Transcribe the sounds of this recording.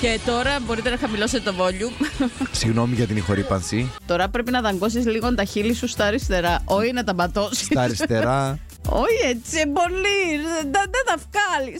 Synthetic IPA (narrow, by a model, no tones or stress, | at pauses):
ce̞t̪o̞ɾɐbo̞ɾit̪enɐxɐmilo̞set̪et̪ovo̞ʎusiɣno̞miʝɐt̪inixo̞ɾipɐnsit̪o̞ɾɐpɾe̞pinɐðɐŋɡo̞s̬izliɣond̪ɐçilisust̪ɐɾist̪e̞ɾɐʔo̞çinɐt̪ɐmɐt̪o̞sisɐɾist̪eɾɐ | o̞çiet͡siembo̞liðɐðɐt̪ɐfkɐlis